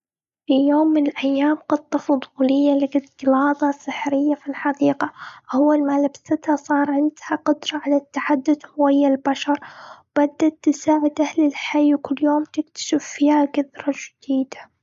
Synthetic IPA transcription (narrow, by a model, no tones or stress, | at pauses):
fijoːmːɪnɪlʔajːaːmqɑt̪ˤːɑfʊd̪ˤuːlɪjːalɪɡɪt̪ɨlɑːt̪ˤɑsɨħɾɪjːafilħɑd̪iːqaʔawːalmalabsɪt̪hasˤɑːɾˤʕɪnd̪haqʊd̪ɾˤɑʕalat̪ːaħad̪ːʊd̪hʊwajːalbaʃɑɾˤwb̥ad̪ːat̪ːɪsaːʕɪd̪ʔahlɪlħajːwkʊlːjoːmt̪ɪkt̪ḁʃɪffihaɡaðɾˤɑd͡ʒd̪̥iːd̪a